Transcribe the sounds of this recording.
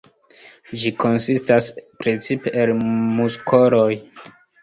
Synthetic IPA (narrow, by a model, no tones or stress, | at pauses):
d͡ʒiko̞nsistaspɾe̞t͡sipeʔelmuskʰoɾo̞j